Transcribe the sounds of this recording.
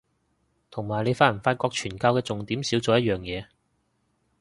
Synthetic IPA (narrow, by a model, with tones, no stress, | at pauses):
t̪ʰʊ˨˩ŋmaː˨˩jle˨˧jfaː˧˥jɐ˨˩nfaː˧t̚kɔː˧k̚t͡ʃʰyː˨˩nkaː˧wkɛː˧t͡sʊ˨ŋt̪iː˨˥msiː˨˥wt͡soː˨˧jɐ˥t̚jœː˨ŋjɛː˨˧